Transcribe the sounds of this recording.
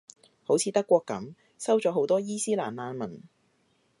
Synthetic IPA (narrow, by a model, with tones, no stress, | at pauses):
ho˨˥wt͡sʰiː˨t̪ɐ˥kːʷɔː˧kːɐ˨˥m | sɐ˥wt͡ʃɔː˨˥ɦo˨˥wt̪ɔː˥jiː˥siː˥laː˨˩nlaː˨˧nmɐ˨˩n